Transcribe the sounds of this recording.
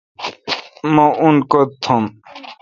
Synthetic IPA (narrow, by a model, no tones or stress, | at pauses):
mounkot̪ʰːom